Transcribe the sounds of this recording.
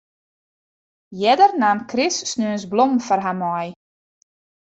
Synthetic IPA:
jɛdərnaːmkʰrɪsːnøənsblɔmfɔrɦamɔj

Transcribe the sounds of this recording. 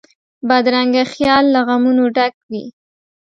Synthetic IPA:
bad̪ɾaŋɡaxjɑlːaɣamunoɖakwḭ

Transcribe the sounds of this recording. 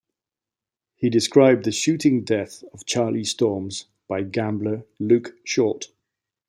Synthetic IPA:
hidɪskɹaɪb̚ðəʃʉˑtɪ̃ŋdɛθəv̥t͡ʃʰɑːlistɔːmz̥ | b̥aɪɡãmbləlʉˑkʃɔˑt

